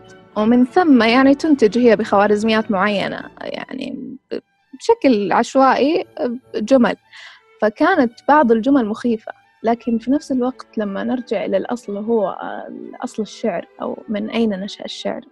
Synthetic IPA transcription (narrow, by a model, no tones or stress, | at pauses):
wɪmɪnθamːajaʕnit̪ʊnt̪ɪd͡ʒhɪjːabɪxawaːɾɪzmɪjːaːt̪mʊʕajːa̰na̰ja̰ʕnḭb | bʃaklʕaʃwaːʔi | d͡ʒʊma̰l | fakaːnat̪bɑʕd̪ˤɪld͡ʒʊmalmʊxiːfa̰ | laːkɪnfinafsɪlwaɡt̪lamːanɪɾd͡ʒɪʕʔɪlalʔɑ̰sˤlɦʊwːa̰lʔɑ̰sˤlɪʃːɪʕɾʔa̰wmɪnʔajnanaʃaʔaʃːɪ̰ʕɾ